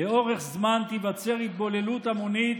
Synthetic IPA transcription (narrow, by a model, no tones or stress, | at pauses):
eo̞ʁe̞χzmant̪ivat͡se̞ʁit̪̚bo̞le̞lut̪amonit̪